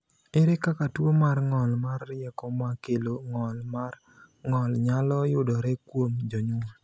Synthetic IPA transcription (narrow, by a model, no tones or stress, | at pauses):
ɪɾɪkakatwomarŋɔlmarːɪɛkɔmakeloŋɔlmar | ŋɔlɲalɔjʊdɔɾɛkwomd͡ʒɔɲʊ